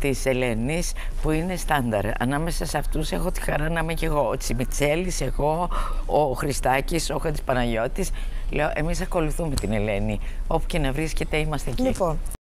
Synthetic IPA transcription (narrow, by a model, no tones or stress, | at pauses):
t̪ise̞lenis | puine̞st̪ɐnd̪ɐ̰ɾɐ̰nɐme̞sɐseɐft̪use̞xo̞t̪i̥xɐɾɐnɐmece̞ɣo̞t͡simit͡se̞lise̞ɣo̞ː | xɾist̪ɐciso̞xot̪i̥spɐnɐʝo̞t̪t̪is | le̞o̞ʔe̞misɐko̞luθume̞t̪ine̞le̞nio̞pu̥ce̞nɐvɾisce̞t̪e̞imɐst̪eecliipon